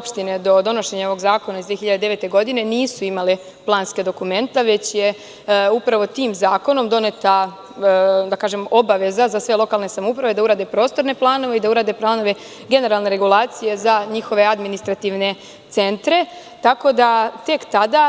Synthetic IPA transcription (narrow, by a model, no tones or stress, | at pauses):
opʃt̪ined̪o̞d̪o̞no̞ʃe̞ɲao̞ʋo̞ɡzaːko̞naizd̪ʋiexçiʎad̪d̪eʋet̪e̞ɡo̞d̪ine̞niːsuimali | plˠaːnske̞d̪o̞kume̞nt̪aʋe̞t͡ɕje | upɾaʋo̞t̪iːmzaːko̞no̞md̪o̞ne̞t̪a | d̪akaːʒe̞mo̞baʋe̞zazasʋe̞lˠo̞kalne̞samupɾaʋe̞d̪auɾaːd̪e̞pɾo̞ːst̪o̞ɾne̞plˠaːno̞ʋe̞id̪auɾaːd̪e̞plˠaːno̞ʋe̞ | ɡe̞ne̞ɾalˠne̞ɾeɡulˠaːt̪sije̞zaɲixo̞ʋe̞ad̪minist̪ɾat̪iʋne̞ | t̪se̞nt̪ɾe̞ | t̪ako̞d̪at̪e̞kt̪ad̪a